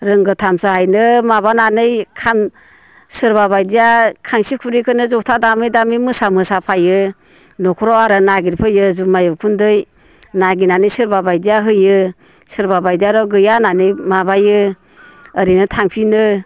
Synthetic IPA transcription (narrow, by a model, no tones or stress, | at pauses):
ɾɯŋɡɯtʰamsahajnɯmaβananɯjkʰam | sɯɾbaβajdijakʰaŋsikʰuɾikʰɯnɯzɔtʰadamɯjdamimɯsamɯsapʰajɯ | nɔkʰɔɾɔaɾɯnaɡiɾpʰɯjɯzumajɔkʰundɯj | naɡinanɯjsɯɾbabajdijaɦɯjɯ | sɯɾbabajdijaɾɔɡɯjananɯjmabajɯ | əɾinɯtʰaŋpʰinɯ